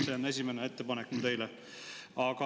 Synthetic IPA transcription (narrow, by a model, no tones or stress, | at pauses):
se̞one̞s̬ʲimenee̞t̪ːe̞pɑnekːmut̪e̞jle | ɑɡ̥ɑ